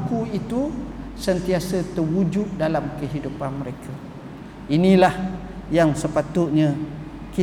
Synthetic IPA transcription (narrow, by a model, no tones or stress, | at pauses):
kuit̪usənt̪iasət̪ərwud͡ʒut̪̚dalamkəɦidupanməɾekʰa | inĩlah | jaŋsəpat̪ʊʔ̪̚ɲã | ki